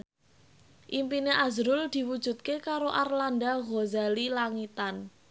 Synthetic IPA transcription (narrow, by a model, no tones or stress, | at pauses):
ʔimpineʔazɾʊld̪̥i̤wud̥ʒ̥ṳt̪̚kekaɾoʔarlandaɣozalilaŋit̪an